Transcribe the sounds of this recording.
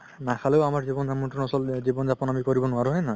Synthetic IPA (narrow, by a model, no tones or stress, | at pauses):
nakʰaleʊamaɹzibɔnzamɔntɔnɔsɔlzibɔnzapɔnamikɔɹibɔnʊaɾuɦɔjna